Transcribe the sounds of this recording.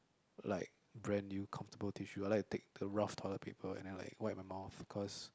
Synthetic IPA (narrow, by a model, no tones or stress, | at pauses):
laɪk̚ | bɹɛ̃njukʰãɱftəbəltʰiʃuaɪlaɪk̚tu̥tek̚dəɹaftʰɔləpʰipʰəlɛ̰̃ndɛ̃nla̰ɪkwaɪt̚maɪmaʊθkʰɔs